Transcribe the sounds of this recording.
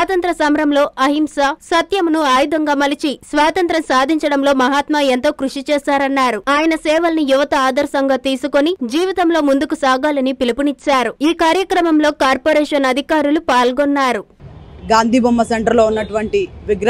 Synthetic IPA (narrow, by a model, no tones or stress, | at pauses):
aːt̪ɐnt̪ɾɐsɐmɾɐmlo̞ːʔɐɦimsɐsɐt̪jɐmnuaːjud̪ɐŋɡaːmɐlit͡ʃisʋaːt̪ɐnt̪ɾɐmsaːd̪ʱiɲt͡ʃɐɽɐmlo̞ːmɐɦaːt̪mɐent̪o̞ːkɾuʂit͡ʃɛːsaːɾɐnːaːɾuaːjɐnɐsɛːʋɐlɐnijuʋɐt̪ɐaːd̪ɐɾsɐŋɡaːt̪iːsukonid͡ʒiːʋit̪ɐmlo̞ːmund̪ukusaːɡaːlɐnipilipunit͡ʃːaːɾuiːkaːɾjɐkɾɐmɐmlo̞ːkaːɾpoːɾɛːʂɐnɐd̪ʱikaːɾulupaːlɡɔnːaːɾuɡaːnd̪ʱiːbɐmːɐsɐɳʈɐɾloːunːɐʈuʋɐɳʈiʋiɡɾ